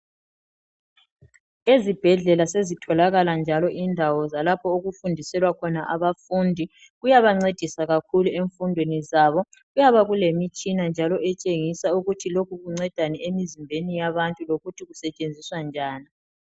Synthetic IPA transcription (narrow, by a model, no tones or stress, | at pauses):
ezib̥ʱɛɮɛlasezitʰɔlaɣaland͡ʒʱalɔʔindʱawɔzalapʰɔoɣufundʱisɛlwakʰɔnaʔaβafundʱi | ɣujaβaŋ͡ǀed̥ʱisaɣakʰulueɱfundʱwenizaβɔ | ɣujaβaɣulemit͡ʃʼinand͡ʒʱalɔʔɛt͡ʃʼeŋisauɣutʰilokʰuɣuŋ͡ǀɛd̥ʱanɛemizimbʱenijaβantʼuloɣutʰiɣusɛt͡ʃʼend͡zʱiswand͡ʒʱaːni